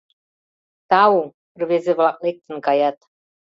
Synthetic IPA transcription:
t̪ɑwu | rβezeβlɑk̚lek̚t̪ə̆nkɑjɑt̪

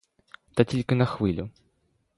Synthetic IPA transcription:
t̪atʲilʲkɐnɐxvɨlʲu

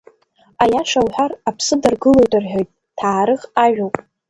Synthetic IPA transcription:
ajaʂawħʷarapʰsɨdɨrɡɨlojtʼɨrħᶣojtʼ | tʰaːɾɨχaʒᶣowpʼ

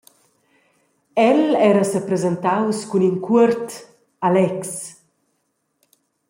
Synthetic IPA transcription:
ɛlɛɾəsəpɾezent̪awskuninkʰuərt̪ | alɛks

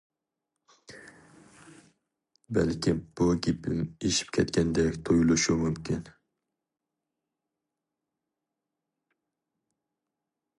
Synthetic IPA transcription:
bælkʲib̥uɡʲipʰɪ̰meʃi̥p̚kʲʰɛt̪kʲʰɛnd̪ɛkʲt̪ʰojulˠɨʃumumkʲʰin

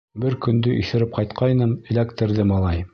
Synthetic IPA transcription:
bɘɾkɵ̆nd̪ɵʔḭθɘ̆ɾɘp̚qɑjt̪qʰɑjnɤmɘ̆lækt̪ɘ̆ɾðɘmɑlˠɑj

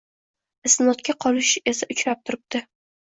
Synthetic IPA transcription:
ɪsɪnɒt̪̚kʲʰaqʰɒlɪʃe̞saʔʊt͡ʃɾap̚t̪ʰʊɾɪp̚t̪ɪ

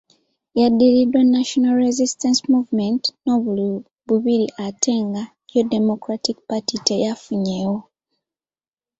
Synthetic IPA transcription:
jadːiɾidwanːaʃonalɾezistensmuvmentno̞βul | βuβiɾiʔatʰe̞ːŋɡa | jodemo̞kɾatikpatitejafuɲewo̞

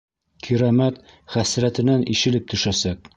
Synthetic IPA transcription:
kʰiɾɑmæt̪ | χæsɾæt̪ɘ̆nænʔiʃɘ̆lɘp̚t̪ɵ̆ʃæsæk̚

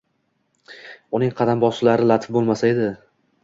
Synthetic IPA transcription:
ʊnɪŋqʰɑd̪ambɒsɪlaɾɪlˠat̪ʰɪ̥fbolˠmasae̞d̪ɪ

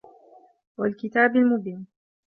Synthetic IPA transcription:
walkɪt̪aːbalmʊbiːn

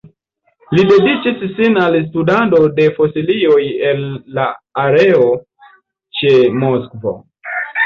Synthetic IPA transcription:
lide̞dit͡ʃisːinals̬tudando̞de̞fo̞silio̞jelːaːɾe̞o | t͡ʃe̞moskvo̰

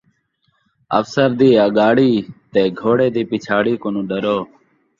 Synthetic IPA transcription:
ə̰fsəɾd̪iːəɠaːɽiːt̪eːɡʱoːɽeːd̪iːpɪt͡ʃʰaːɽiːkonũːɖəɾoː

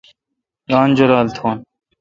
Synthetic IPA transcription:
ɡaːnd͡ʑoɾaːlt̪ʰoːn

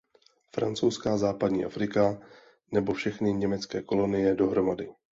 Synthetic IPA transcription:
fɾa̰nt͡sowskaːzaːpadɲḭːʔafɾɪka | nɛbofʃɛxnɪɲɛmɛt͡skɛːko̞lo̞nɪjɛdo̞ɦɾo̞madɪ

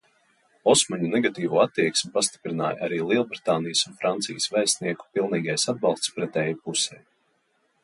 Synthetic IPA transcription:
ɔsmaɲunɛɡat̪iːvuːat̪ːiɛksmʲipast̪i̥pɾina̰ːjʔaɾiːlˠiɛlˠbɾit̪aːnijəsunfɾant̪sijəsvɛjst̪niɛku̥pilˠniːɡajsad̪̚bɑlˠst̪spɾɛt̪ɛjpusɛj

